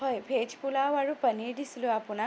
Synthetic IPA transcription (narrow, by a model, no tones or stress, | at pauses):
əjbʱet͡ʃpulawaɹupəniɖisluapuna